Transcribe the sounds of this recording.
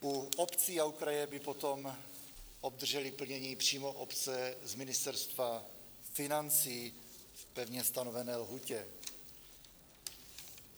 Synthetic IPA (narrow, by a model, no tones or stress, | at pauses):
ʔuʔopt͡siːaukɾajɛbɪpot̪o̞m | ʔob̚d̪r̩ʒɛlɪpl̩ɲɛɲiːpr̝̥iːmo̞ʔopt͡sɛzmɪnɪst̪ɛɾst̪va | fɪnant͡siː | fpɛvɲɛst̪anovɛnɛːlɦucɛ